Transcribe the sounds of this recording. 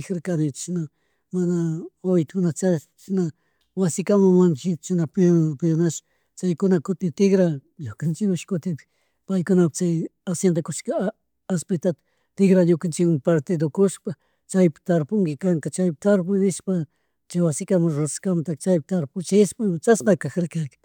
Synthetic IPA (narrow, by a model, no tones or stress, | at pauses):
xɾkanɪt͡ʃʃna | manaojt̪kʊnat͡ʃa | ʃna | wasɪkamamanʃɪtt͡ʃɪnappɪjonaʃ | t͡ʃajkʊnakʊt̪ɪt̪ɪɡɾa | jʊkant͡ʃɪkʊʃkʊt̪ɪ | pajkʊnapḁt͡ʃajasjend̪akʊʃka | aspɪt̪at̪ḁ | t̪ɪɡɾaɲʊkant͡ʃɪkmaŋpaɾt̪ɪd̪okʊʃpa | t͡ʃajpɪ̥t̪aɾpʊŋkɪkaŋkat͡ʃajpɪt̪aɾp̬ʊjnɪʃpa | t͡ʃajwasɪkamaɾo̥kamat̪at͡ʃajpɪt̪aɾpʊt͡ʃɪspamat͡ʃasmakakaɾkaɾkḁ